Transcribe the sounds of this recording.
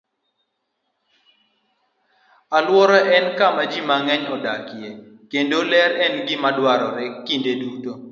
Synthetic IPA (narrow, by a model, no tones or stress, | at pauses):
alwɔɾɔʔɛnkamad͡ʒimaŋɛɲɔdakɪe | kendolɛɾɛnɡimadwaɾɔɾɛkːindeduto